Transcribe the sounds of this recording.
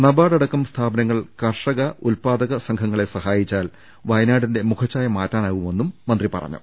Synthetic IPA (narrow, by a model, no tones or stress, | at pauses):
nɐbaːɽɐɽɐkːɐmst̪ʰaːbɐnɐŋːɐɭkɐrʂɐɣɐʔulpaːd̪ɐɣɐsɐŋkʰɐŋːɐɭe̞sɐhaːjit͡ɕːaːl | ʋɐjnaːɽinde̞mukʰɐt͡ɕːaːjɐmaːtːaːnaːɣume̞nːumːɐnd̪ripɐ̰rɐ̰ɲːṵ